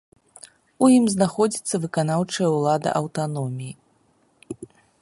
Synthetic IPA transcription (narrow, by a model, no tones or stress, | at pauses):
ujimznaxɔd͡zʲit̪sːɐvɨkanawt͡ʂɐjɛɐulˠad̪ɐ̰ʔɐwt̪anɔmʲiji